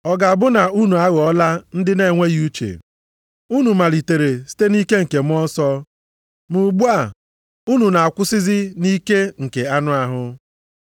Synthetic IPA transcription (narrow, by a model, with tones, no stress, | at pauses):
ɔ˨ɡa˨a˨bʊ˦na˨u˦nu˨a˦ɣɔ˦la˦n̩˦dɪ˦ne˦˨ŋʷe˦ɣu˦t͡ʃḛ˨ | u˦nu˨ma˨li˨te˨ɾe˨si̥˦te˦ni˦ke˦ŋ̩˨ke˨m̩˦ɔ˦sɔ˦ | mu˨ɡ͡bu˦a˦˨ | u˦nu˨na˨a˨kʷʊ˦sɪ˦zɪ˦ni˦ke˦ŋ̩˨ke˨a˦nʊ˦a˦ɦʊ˦